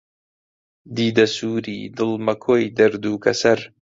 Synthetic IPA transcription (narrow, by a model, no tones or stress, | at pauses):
d̪iːd̪ɐsuːɾiːd̪ɨlmɐkʰojd̪ɐɾd̪uːkɐsɐɾ